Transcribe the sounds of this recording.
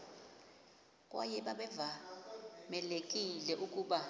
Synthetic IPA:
kʼwa̰jɛɓaɓɛva | mɛlekʼilɛʔukʼuːɓa

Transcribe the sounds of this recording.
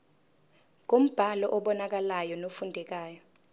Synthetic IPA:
k̬om̩b̥ʱalɔʔɔɓɔnak̬alajɔnofundʱɛk̬aːjɔ

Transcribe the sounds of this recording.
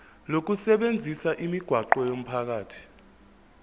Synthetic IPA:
lok̬usɛɓend͡zʱisaʔimiɡ̥ʱwaǃɔjom̩pʰak̬aːtʰi̥

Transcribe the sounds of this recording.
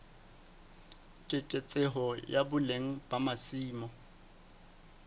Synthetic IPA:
kʼekʼet͡sʼeɦɔjabʊleŋ̩bʼamasiːmɔ

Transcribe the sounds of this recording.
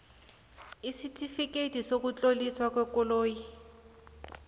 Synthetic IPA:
isitʰʼifikʼetʼisokut͡ɬʼoliswakwɛkɔloːji

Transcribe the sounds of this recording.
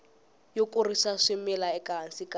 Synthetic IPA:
jokʼʊrisaʂɪmɛlaɛkʼaɦan̩sikʼa

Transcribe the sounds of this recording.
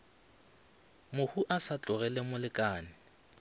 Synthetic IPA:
mʊhuʔasat͡ɬʼʊrɛlɛmʊlɪkʼaːnɪ

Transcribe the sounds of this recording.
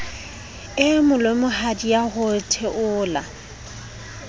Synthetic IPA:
ɪmʊlwemʊhadijahʊtʰeʔʊːla

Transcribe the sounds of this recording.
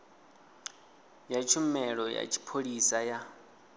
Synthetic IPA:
jat͡ʃʰumɛɺɔja̰t͡ʃʰi̥pʰoɺisaja

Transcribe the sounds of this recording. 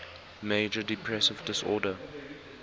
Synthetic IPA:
meɪd͡ʒədɪpʰɹɛsɪvdɪsɔ̰ːdə

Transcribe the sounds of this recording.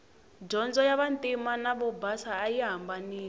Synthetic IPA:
d͡ʒɔnd͡zɔjaβantʼimanaβɔbasaːjiɦambaniː

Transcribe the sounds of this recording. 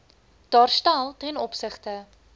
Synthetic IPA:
d̥ɑːrstælˠtɛnɔpsəχtə

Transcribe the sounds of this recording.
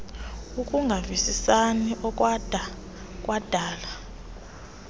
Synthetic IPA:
ukʼuŋɡʱavisisaniʔɔk̬ʼwdʱa | kʼwad̥ʱaːla

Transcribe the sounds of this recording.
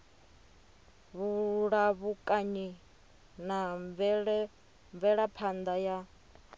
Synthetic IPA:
βuɺaβukʼaɲi | naɱvɛɺɛ | ɱvɛɺapʰand̪aja

